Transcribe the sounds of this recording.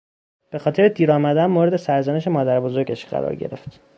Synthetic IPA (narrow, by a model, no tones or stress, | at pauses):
b̥e̞xɒːt̪e̞ɾed̪iːɾɒːmæd̪ænmoːɾe̞d̪e̞sæɾzæneʃe̞mɒːd̪æɾbozo̞ɾɟeʃɢæ̰ɾɒ̰ːɾɟe̞̰ɾe̞ft̪